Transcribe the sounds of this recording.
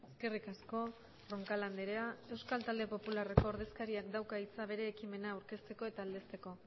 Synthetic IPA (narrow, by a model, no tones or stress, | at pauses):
eske̞rikasko̞ | roŋkaland̪eɾeae̞wskalt̪ald̪e̞po̞pulare̞ko̞ːɾðe̞skaɾiakd̪awkait͡saβ̞e̞ɾe̞ːkime̞naːwɾke̞st̪e̞ko̞e̞t̪aːld̪e̞st̪e̞ko̞